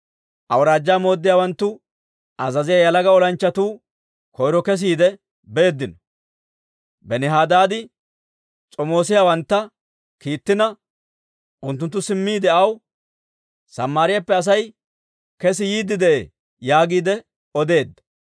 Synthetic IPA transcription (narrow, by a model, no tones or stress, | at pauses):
ʔɐwɾaːd͡ʒːaːmo̞ːd̪ːɪjaːwɐnt̪ːʊ | ɐzɐzɪjajɐlɐɡɐɔlɐnt͡ʃːɐt̪uː | kɔjɾɔkɛs̬iːd̪ɛ | be̞ːd̪ːɪnɔ | bɛnɪɦaːd̪aːd̪ɪ | t͡sʼɔmo̞ːsɪjawɐnt̪ːɐ | kiːt̪ːɪnɐ | ʔʊnt̪ːʊnt̪ːʊsɪmːiːd̪ɛɐw | sɐmːaːɾɪjapːɛɐs̬ɐj | kɛs̬ɪjiːd̪ːɪd̪ɛʔḛː | jaːɡiːd̪ɛ | ɔd̪e̞ːd̪ːɐ̥